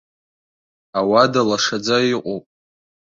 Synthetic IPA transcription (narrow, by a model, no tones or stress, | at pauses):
awadalaʂad͡zaiqʷʼopʼ